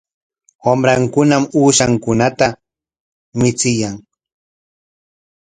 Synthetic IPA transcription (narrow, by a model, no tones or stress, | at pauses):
wamɾaŋkʊnamuːʃaŋkʊnat̪a | mɪt͡sɪjaŋ